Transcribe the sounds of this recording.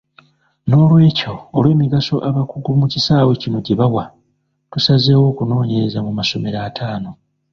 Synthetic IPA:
no̞ːlwe̞ːco̞ːlwe̞ːmiɡaso̞ʔaβakuɡumucisaːwe̞cino̞ɟeβawa | tusaze̞ːwo̞ːkuno̞ːɲe̞ɾezamumaso̞me̞ɾaːtʰaːno̞

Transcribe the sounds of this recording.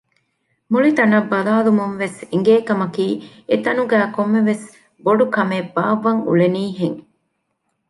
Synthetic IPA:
muɭit̪ɐnɐbːɐlaːlumunʋesiŋɡeːkɐmɐkiː | et̪ɐnuɡæːkomːeʋes | boɖukɐmebaːʋɐŋṵleniːɦeŋ

